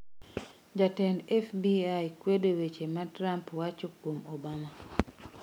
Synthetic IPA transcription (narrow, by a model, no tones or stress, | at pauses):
d͡ʒatɛnɛfbiajkwedowet͡ʃematɾampwat͡ʃokwomobama